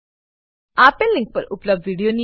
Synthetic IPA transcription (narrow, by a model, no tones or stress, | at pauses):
aːpəlːɪ̃ŋk̚pə̰ɾʊ̰pləb̚dʋiːɖijoni